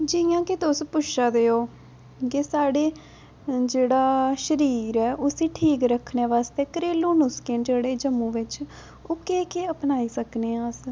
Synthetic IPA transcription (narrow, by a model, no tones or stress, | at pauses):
d͡ʒɪjãːkɪt̪ʊspʊt͡ʃʰaːd̪eːoː | kesaːɽeː | d͡ʒeːɽaːʃəɾiːɾɛːʔʊsiːʈʰiːkɾəkʰːneːʋaːst̪eːkəɾeːlũːnʊskẽːd͡ʒeːɽeːd͡ʒəmːũːʋɪt͡ʃ | oːkeːkeːəpnaːiːsəkneːãːs